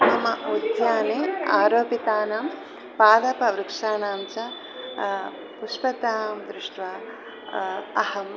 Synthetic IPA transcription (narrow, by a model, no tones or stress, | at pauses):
t̪ɐmɐud̪jaːneːaːɾoːpit̪aːnɐm | paːd̪ɐpɐʋɾukʂaːnaːmt͡ʃɐ | puʃpɐt̪aːmd̪ɾɪʂʈʋa | ɐhɐm